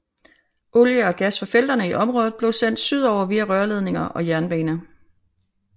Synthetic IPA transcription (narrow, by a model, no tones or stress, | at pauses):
ʔoljəɒ̽ɡ̥æsfɒ̽fel̰d̥ɐnəiʔɒ̽mʁɔ̽ːð̩ˠb̥le̝ʊsen̰d̥syð̞̰ˠɒʊ̰ɐʋiæʁɶɐle̝ð̞ˠne̝ŋɐʔɒ̽jæɐnb̥ɛːnə